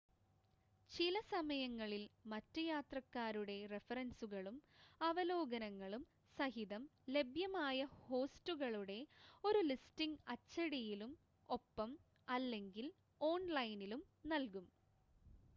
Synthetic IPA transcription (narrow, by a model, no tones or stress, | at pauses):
t͡ɕilɐsɐmɐjɐŋːɐɭilmɐtːɐjaːt̪rɐkːaːɾuɽe̞re̞fɐrɐnsuɣɐɭumɐʋɐlo̞ːɡɐnɐŋːɐɭum | sɐɦiðɐmle̞bʱjɐmaːjɐho̞ːstuɣɐɭuɽe̞o̞ɾulistiŋɡɐt͡ɕːɐɽijilum | o̞pːɐm | ɐlːe̞ŋɡil | o̞ːnlɐjnilum | nɐlkum